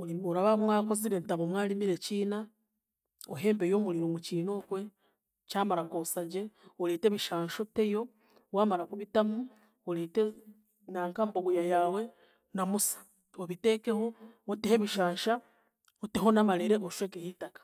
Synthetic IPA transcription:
ioɾaβamwaːko̞ziɾentaβomwaːlimiɾe̞ciːna | oɦe̞ːmbejo̞ːmuliɾomuciːno̞kwe̞ | caːmaɾakosaɟe̞oleːteβiʃaːʃote̞jo̞ | waːmaɾakuβitamu | oleːte | naːŋkamboɡujajaːwe̞ | namusḁ | oβite̞kehootehe̞βiʃaːɲʃa | oteɦo̞namaɾiɾe̞ʔoʃweːkehitakḁ

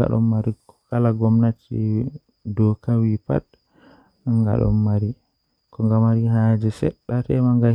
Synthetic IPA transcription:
a̰ɗɔ̰mːaɾikɔ̥kalaɡɔmnat͡ʃi | dɔkawipa̰t̚ | ŋɡa̰ɗɔ̰mːaɾi | kɔŋɡamaɾiɦad͡ʒɛsɛ̰ɗːatɛmaŋɡa

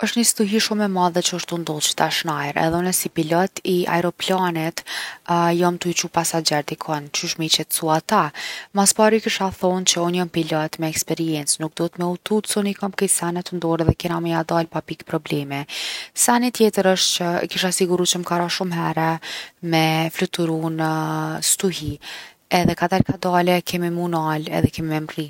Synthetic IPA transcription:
əʃt̪nisit̪uɦiʃumːɛmaðɛt͡ʃəəʃt̪und̪ɔlt͡ʃə̥t̪aʃnajɾɛ̰ðɛɔnɛsipilɔt̪ia̰ɛɾɔplanit̪ | jamt̪uit͡ʃupasad͡ʑɛɾt̪ikʰɔnt͡ʃyʃmit͡ɕɛt̪suat̪amaspaɾikiʃaθɔnt͡ʃəɔnjampilɔt̪mɛːkspɛɾiɛnt͡snuk̚d̪ɔt̪mɛut̪ut̪sɔnikamkɛjsanɛt̪ənd̪ɔɾðɛkɛnaməjad̪alpapikpɾɔblɛmɛsanit̪jɛt̪əɾəʃt̪t͡ʃə̰kiʃasiɡuɾut͡ʃəmkaɾaʃumɦɛɾɛmɛflut̪uɾunst̪uɦi | ɛðɛkat̪ɛɾkad̪alɛkʰɛmimunalɛ̰ðɛkɛmimɛmri

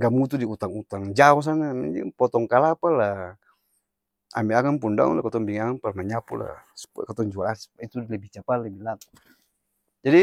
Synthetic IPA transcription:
ɡamut̪udiut̪aŋut̪aŋd͡ʒaɔs̬anama̰d͡ʒḭpɔt̪ɔŋkalapala | a̰miakanpundaṵnlakɔt̪ɔŋbiŋaŋanparmaɲapula̰skɔt̪ɔŋd͡ʒualasit̪ulɛbit͡ʃapalɛbilat̪u̥ | d͡ʒadi

